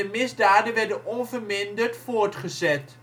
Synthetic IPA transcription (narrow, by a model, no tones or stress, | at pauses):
əmɪzdaːdənʋɛɹdənɔnvəɹmɪndərtfʊːɹtχəzɛt